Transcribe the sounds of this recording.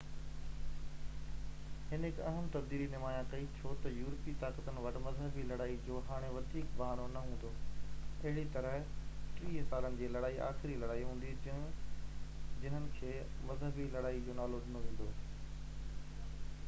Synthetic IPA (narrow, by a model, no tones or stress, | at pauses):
hɪnɪkɐɦəmt̪ɐb̚d̪iːlinɪmaːjãkɐit͡ɕʰot̪ɐjuːɾpit̪aːkət̪ənɪ̆ʋɐɗmɐzɦəbilɐɽaːid͡ʑoːɦaːɽ̃eʋɐd̪ʱiːkbɐɦaːnonɐɦũːn̆d̪oːɐɦɪɽit̪ɐɾəɦʈɾiːsaːlənɪ̆d͡ʑeːlɐɽaːiʔa̰ːxɪɾilɐɽaːiɦũːn̆d̪i | d͡ʑɪnənɪ̆kʰeː | mɐzɦəbilɐɽaːid͡ʑoːnaːlodɪnoɦẽːn̆d̪oː